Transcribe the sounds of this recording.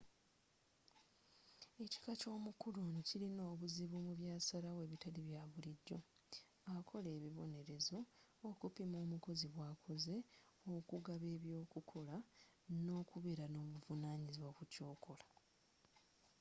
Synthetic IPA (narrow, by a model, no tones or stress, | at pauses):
e̞ci̥kaco̞ːmukuluncilino̞ːβuziβumuβjaːsaɾawe̞ːβitaliβjaβuliɟːo̞ | akʰo̞le̞ːβiβo̞ne̞ɾe̞zo̞ːkupimo̞ːmuko̞ziβwaːkʰo̞ze̞ | okuɡaβe̞ːβjo̞ːkukʰo̞la | no̞ːkuβe̞ːɾano̞ːβuvunaːɲiziβwakuco̞ːkʰo̞lḁ